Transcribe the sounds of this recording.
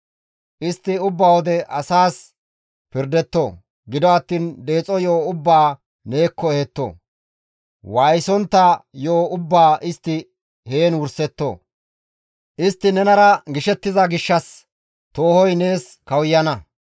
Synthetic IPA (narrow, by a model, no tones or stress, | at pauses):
ʔɪst̪ːɪʊbːawɔd̪ɛʔɐsaːs | pɪɾd̪ɛt̪ːo̰ː | ɡɪd̪ɔɐt̪ːiːnd̪e̞ːt͡sʼɔjoːʊbːaː | ne̞ːkːɔɛhɛt̪ːo̰ː | wajsɔnt̪ːɐjoːʔʊbːaːʔɪst̪ːɪ | heːnwʊɾsɛt̪ːo̰ː | ʔɪst̪ːɪnɛnɐɾɐɡɪʃɛt̪ːɪzɐɡɪʃːɐs | t̪o̞ːhɔjne̞ːs | kɐwjːɐnɐ